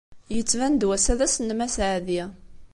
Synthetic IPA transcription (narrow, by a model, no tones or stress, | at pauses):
jət͡sːvænd̪wæsæðæsnːmæsʕði